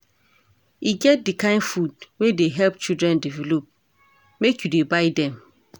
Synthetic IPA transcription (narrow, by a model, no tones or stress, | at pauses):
iɡɛt̚dikãɪ̃nfudwedeɦɛlp̚t͡ʃidɹɛ̃ndivɛlop̚ | mekʰjudebaɪdɛ̃m